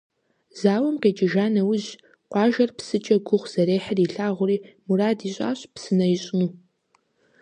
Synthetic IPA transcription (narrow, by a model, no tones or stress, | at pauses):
zaːwɐmqeːt͡ʃʼɪʒaːnɐwʊʑ | qʷɑːʒɐrpsɨt͡ʃʼɐɡʷʊχʷz̥ɐɾeːħəriɬaːʁʷʊɾiːmuɾaːdiːɕʼa̰ːɕʼpsɨnɐjɪɕʼɪnuː